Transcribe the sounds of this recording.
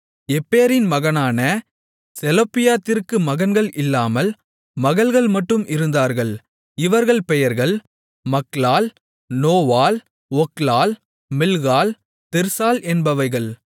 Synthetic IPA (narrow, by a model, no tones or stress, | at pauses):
ɛpːeːɾɪnmɐɣɐnaːnɐ | sɛlɐpːɪjaːt̪ːɪɾkɯmɐɣɐnɡɐɭʔɪlːaːmɐl | mɐɣɐɭɣɐɭmɐʈːɯmʔɪɾɯnd̪aːɾɣɐɭ | ɪʋɐɾɣɐɭpɛjɐɾɣɐɭ | mɐklaːl | noːʋaːl | ɔklaːl | mɪlɣaːl | t̪ɪɾsaːlʔɛnbɐʋɐɪɣɐɭ